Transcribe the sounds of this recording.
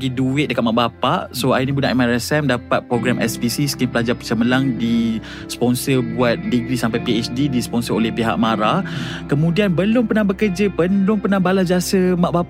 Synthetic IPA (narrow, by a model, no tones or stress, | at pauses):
ɡiduɪt̪̚dəkat̪̚maʔbapaʔsoajənibunaʔimaɾɛsɛmdapat̪̚pɾoɡɾamʔɛspisisə̥kiŋpəlad͡ʒapət͡ʃəməlaŋdi | sə̥pɔnsərbuat̪̚dəɡɾisampajpiet͡ʃdidisə̥pɔnsəɾolɛhpiɦa̰ʔmaɾakəmũdianbəlʊmpənãhbəkəd͡ʒəpəlʊmpənãbalasbiasəmaʔba